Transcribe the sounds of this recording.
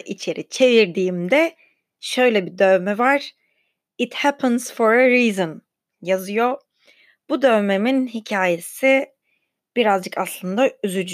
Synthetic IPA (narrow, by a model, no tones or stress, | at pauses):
ʔit͡ʃʰe̞ɾʔit͡ʃʰe̞viɾd̪iːmd̪ɛ | ʃø̞jlʲɛbid̪ømɛvaɾ̥ | it̪hæpʰənz̥foɾeɾiːzɨn | jazɯjo̞ | b̥ud̪øme̞minhicʰaːje̞si | b̥iɾazd͡ʒɯkaslˠɯnd̪ayzyd͡ʒ